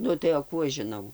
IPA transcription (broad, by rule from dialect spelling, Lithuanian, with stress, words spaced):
ˈnʊ tɐɪ oː ˈkuː ɐʃ ʒʲɪˈnɐʊ